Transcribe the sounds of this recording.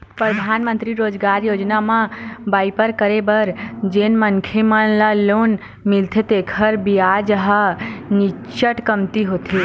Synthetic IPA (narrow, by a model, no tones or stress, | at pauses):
pɾəd̪ʱaːnmə̃nt̪ɾiɾoːd͡ʒɡaːɾjoːd͡ʒnamãbaipəɾkəɾebəɾd͡ʒeːnmənkʰeməlaloːn | mɪlt̪ʰet̪ekʰəɾbiad͡ʒɦəni | t͡ʃəʈkəmt̪iɦot̪ʰi